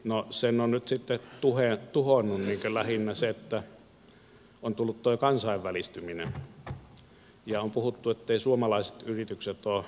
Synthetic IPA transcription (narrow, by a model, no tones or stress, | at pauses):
nosenːonnyt̪sit̪ːet̪uhet̪uhonːunniːŋkølæhinːæseet̪ːæ | ont̪ulːut̪toˑikɑnsɑˑeʋʋælist̪yminḛn | jɑompuhut̪ːuet̪ːeˑisuomɑlɑˑise̥t̪yrit̪ykset̪oː